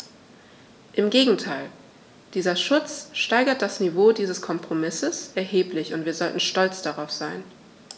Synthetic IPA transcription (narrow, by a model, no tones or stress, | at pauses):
ʔɪmɡeːɡŋ̩tʰaɪl | d̥iːzɐʃʊt͡sʃtaɪɡɐt̚d̥asnivoːdiːzəskʰɔmpʁ̥omɪsəsʔɛɐɦeːplɪçʊntv̥iːɐzɔltn̩ʃtɔlt͡sd̥aʁaʊfz̥aɪn